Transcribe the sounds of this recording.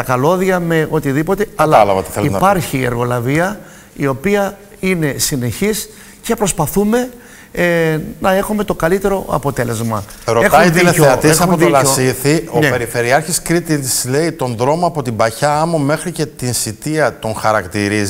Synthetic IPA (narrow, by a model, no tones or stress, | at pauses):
t̪ɐkɐlo̞ðiɐme̞o̞t̪iðipo̞t̪e̞ɐlɐɐlɐvɐt̪e̥θeleipɐɾçie̞̰ɾɣo̞lɐviɐ | io̞piɐ | ine̞sine̞çis | ce̞pɾo̞spɐθume̞ | nɐe̞xume̞t̪o̞kɐlit̪e̞ɾo̞ɐ̰po̞t̪e̞le̞zmɐ | ɾoet̪ɐitðieoeɐt̪iesxɐuoðolɐosiθionepeɾife̞ɾiɐɾçiskɾit̪it̪isle̞it̪o̞nðɾo̞moɐpo̞t̪ibɐçɐɐmome̞xɾice̞t̪insit̪iɐt̪o̞ŋxɐɾɐkt̪iɾiz